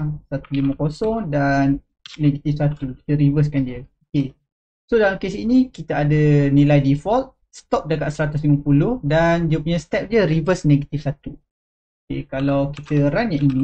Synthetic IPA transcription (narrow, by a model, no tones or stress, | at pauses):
sat̪ulimə̃kosɔŋdanː | eɡat̪ifsat̪uki̥t̪əɾivəs̬kandiəoke | sodalamkesinikit̪əadənilajdifɔlt̪̚ | st̪ɔp̚dəkaʔ̪səɾat̪ʊs̬liməpulʊhdandiəpuɲast̪ɛp̚diəɾivəsneɡat̪ifsat̪u | okḛkalawkit̪əɾanjãʔini